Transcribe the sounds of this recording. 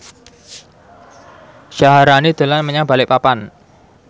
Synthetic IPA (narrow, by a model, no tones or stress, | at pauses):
ʃaɦaɾanid̪̥ə̤lanməɲab̥alɪk̚papan